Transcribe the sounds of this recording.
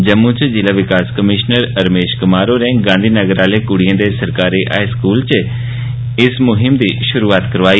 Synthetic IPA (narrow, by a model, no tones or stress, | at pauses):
d͡ʒɐmːũt͡ʃd͡ʒɪlaʋɪkaːskəmɪʃnəɾɐɾmeːʃkɐmaːɾoɾɛ̃ːɡãːnd̪ʱiːnəɡəɾaːlekʊɽ̤ijə̃nd̪esɐɾkaːɾiʔa̰ːskuːlt͡ɕ | ɪsmʊɦɪmd̪iːʃʊɾuːaːt̪kɐɾʋaːi